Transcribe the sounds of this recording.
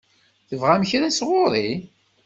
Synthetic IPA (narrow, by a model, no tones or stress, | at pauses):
θəvʁæməçɾæsʁʊɾˤi